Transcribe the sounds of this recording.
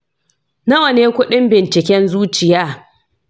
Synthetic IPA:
nɐ˦wɐ˨neː˦kʷʊ˦ɗɪ˦mbɪ˨nt͡ʃɪ˨kʲɛ˦nzuː˦t͡ʃɪ˨jaː˦

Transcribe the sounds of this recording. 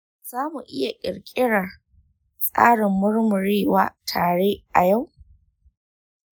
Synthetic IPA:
z̥aː˦mu˨ʔɪ˦ja˨kʲʼɪ̰˨ɽkʲʼɪ˦ɽa˨ | sʼa̰ː˦ɽɪ˨mːʊ˦rmʊ˨ɽeː˦waː˦tʰaː˨ɽeː˦ʔa˨ja˦˨w

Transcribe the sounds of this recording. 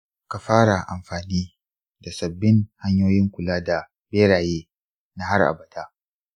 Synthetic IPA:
ka˨ɸaː˦ɽa˨ʔa̰˨mɸaː˨niː˦ | da˨sɐ˨bːɪ˦ŋha˦ɲjoː˦jɪ˦ŋkʷʊ˨laː˦da˨ | beː˦ɽaː˨jeː˦ | na˦ɦa˦rʔa̰˨bɐ˨daː˦

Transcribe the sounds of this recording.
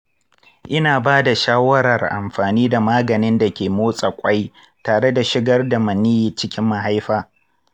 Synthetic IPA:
ʔɪ˦naː˨baː˦da˨ʃaː˦wɐ˦ɾɐ˨rʔa̰˨mɸaː˨niː˦da˨maː˦ɡɐ˨nɪ˦nda˨kʲeː˨moː˦sʼa˨kʷʼɐ˦j | taː˨ɽe˦da˨ʃɪ˦ɡɐ˦rda˨mɐ˨niː˦ji˨t͡ʃɪ˦kʲɪ˦mːa˨ɦa˦jɸaː˦˨

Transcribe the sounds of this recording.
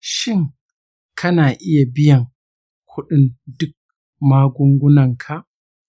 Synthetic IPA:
ʃɪ˦ŋ | kʰɐ˦naː˨ʔɪ˦ja˨bɪ˦jɐ˨ŋ | kʷʰʊ˦ɗɪ˦ndʊ˦k̚ | maː˦ɡʷʊ˦ŋɡʷʊ˦nɐ˨ŋkʰa˨ʔ

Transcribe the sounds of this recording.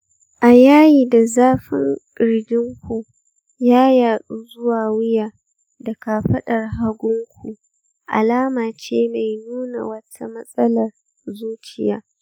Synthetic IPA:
ʔa˨jaː˦jiː˨da˨zaː˦ɸɪ̰˦ŋkʼɪ˨ɽdɪ˦ŋkʷu˨ | jaː˦jaː˨ɗuː˦zʊ˦waː˨wɪ˦jaː˨ | dɐ˨kaː˨ɸɐ˦ɗɐ˨rɦa˦ɡʷʊ˦ŋkʷu˨ | ʔa̰˨laː˦maː˨t͡ʃeː˦ma˨jnuː˦na̰˨wɐ˦tʰa˦mɐ˦sʼɐ˦lɐ˨r | zuː˦t͡ʃɪ˨ja̰ː˦

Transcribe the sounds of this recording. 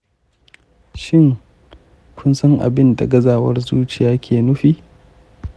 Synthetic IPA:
ʃɪ˦ŋ | kʷʰʊ˦nsɐ˦ŋʔa̰˨bɪ˦nda̰˨ɡɐ˦zaː˨wɐ̰˦rzuː˦t͡ʃɪ˨jaː˦kʲʰeː˨nʊ˦ɸiː˦

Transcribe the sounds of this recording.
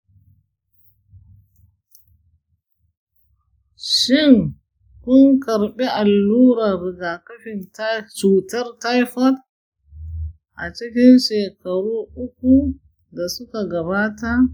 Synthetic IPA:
ʃi˦ŋ | ku˦ŋkɐ˨ɾɓɛ˦ʔa˨lːuː˦ɾa˨ɾi˨ɡa˨kɐ˦ɸi˨ntat͡ʃuː˨tɐ˦ɾta˦jfɐ˦t | ʔa˨t͡ʃi˦kʲi˦nʃeː˨kɐ˨ɾuː˦ʔʊ˦ku˦ | da˨su˦ka˨ɡɐ˨βa˦ta˦

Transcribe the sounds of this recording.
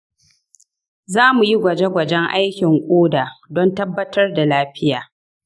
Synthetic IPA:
zaː˦mu˨ji˦ɡʷɐ˨d͡ʒe˦ɡʷɐ˨d͡ʒɛ˦ŋʔa̰˦jkʲɪ˨ŋkʷʼoː˦daː˨dɔ˦ntɐ˦bːɐ˦tɐ˦rda˨laː˦ɸɪ˦jaː˨

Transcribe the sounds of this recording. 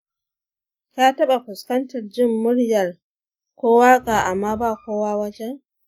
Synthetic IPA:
kaː˦ta˦ɓa˨hʊ˨skɐ˦nta˨ɾd͡ʒɪ˦mːʊ˦ɾja˨l | kɔː˦wa˦ɡa˨ʔa˨mːaː˦ba˦kɔː˦waː˦wa˦t͡ʃɛ˦

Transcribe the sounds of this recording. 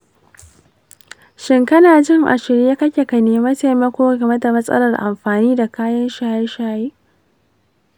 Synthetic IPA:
ʃɪ˦ŋkɐ˦naː˨d͡ʒɪ˦ŋʔa̰˨ʃɪ˨ɾja˦kɐ˦kʲe˨ka˨neː˨mɐ˦ta˨mɐ˦kʷoː˦ɡɐ˨mɐ˦da˨mɐ˦sʼɐ̰˦lɐ˨rʔa̰˨mɸaː˨niː˦da˨kaː˦jɐ˦nʃaː˨jɐ˦nʃaː˨jeː˦

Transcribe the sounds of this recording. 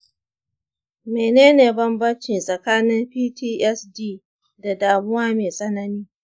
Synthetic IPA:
meː˨neː˦neː˨bɐ˦mbɐ˦nt͡ʃɪ˨nsʼɐ˨kaː˦nɪ˦mɸiː˦tʰiː˦ʔɛ˦sdiː˦ | da˨daː˨mʊ˦waː˦meː˨sʼɐ˦nɐ˦niː˦

